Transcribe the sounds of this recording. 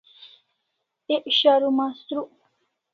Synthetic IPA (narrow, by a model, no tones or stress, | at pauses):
eʔɕaɾumast̪ɾu